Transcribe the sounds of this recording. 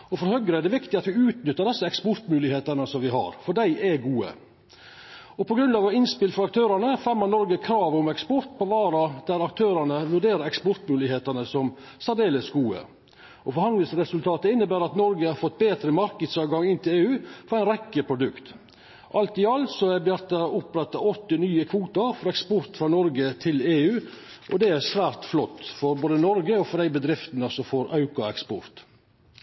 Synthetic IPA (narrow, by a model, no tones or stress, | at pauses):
ɔfɔɾhœɡɾəæɛɖɛʋɪkt̪ɪɑt̪ʋɪʉːt̪nʏt̪ːəɖɛsːəɛkspɔɾt̪mʉːlɪheːt̪ɑnəsɔmʋɪɦɑ̰ɾfɔɖæɪʔɛɡuːə̰ | ɔpʰɔɡɾʉnd̪ɑːʋəɪnspɪlfɔɾɑkt̪ʰøːɾɑnəfɛmənnɔɾɡəkʰɾɑːʋʊmɛkspɔɾt̪̚pʰɔʋɑːɾɑd̪̥æɾɑkt̪ʰøːɾɑnəʋʉɖeːɾəɾɛkspɔɾt̪mʉːlɪheːt̪ənəsɔm | sæɖ̪eːləsɡuːə̰ | ʔɔfɔɾhɑnləsɾɛsʉlt̪ʰɑːt̪əɪnːəbæːɾɑt̪nɔɾɡəhɑɾfɔt̪̚ːbeːt̪ɾəmɑɾkəd̪sɑːʋɡɑŋɪnt̪ʰɪleːʉːfɔɾæɪnɾɛkːəpʰɾʊd̪ʉkt̪ | ʔɑlt̪ɪɑlsɔæbæɾt̪ːɑʊpɾɛt̪ːɑɔt̪ːɪnyːəkʰʋuːt̪ɑɾfɔɾɛkspɔɾt̪fɾɑːnɔɾɡət̪ʰɪleːʉː | ʔɔd̪ɛæɾsʋæːɾt̪flɔt̪ːfɔɾboːd̪ənɔɾɡəɔfɔɾd̪æɪbəd̪ɾɪft̪nəsɔfɔɾɑʉkʊɛkspɔɾt̪